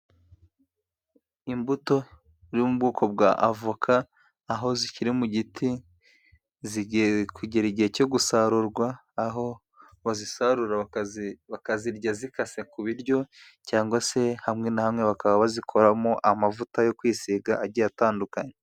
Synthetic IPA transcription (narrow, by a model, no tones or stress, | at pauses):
imbuto̞ | ɾimubɡuːkʰo̞b̚ɡaʔavukʰaː | ɦo̞ziciɾimuɟitʰi | zikuɟeɾiɟiheco̞ɡusaɾuɾɡwaːɦo | βazisaɾuɾa | βakaziɾɟazikase̞kuβiɾɟo̞ | caːŋɡwase̞hamŋe̞nahamŋe̞βakaβaβazikʰo̞ɾamoʔamavutajo̞kwiːsiɡaʔaɟijataːndukaɲe